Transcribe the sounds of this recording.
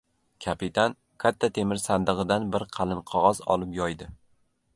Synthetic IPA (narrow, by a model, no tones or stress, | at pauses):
kʲʰapit̪ʰan | kʰʲat̪ʰːat̪ʰe̞mɪɾsand̪ɨʁɨd̪anbɪɾqʰɑlˠɪnqʰɒʁɒzɒ̰lˠɪpjɒjd̪ɪ